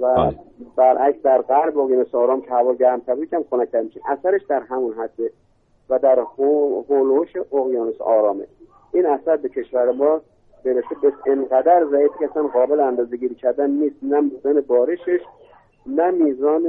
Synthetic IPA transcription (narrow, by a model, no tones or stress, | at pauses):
væbæɾʔæksd̪æɾɡæɾboɣjɑːnesɒːɾɒːmcʰehævɒːɟæɾmt̪ʰæbɾicʰæmxonæc̚t̪ʰæɾmiʃimʔæsæɾe̞ʃd̪æɾɦæmunɦæd̪ːe | væd̪æɾoholooʃeʔoɣjɑːnesʔɒːɾɒːmḛ | ʔiːnæsæɾbe̞cʰe̞ʃvæɾemɒː | b̥e̞ɾesebesenɡæd̪æɾzæiːfiːcʰæsænɢɒːbe̞leænd̪ɒːzeɡiːɾiːcʰæɾd̪ænːiːst̪næmud̪ænebɒːɾe̞ʃeʃ | næmiːzɒːne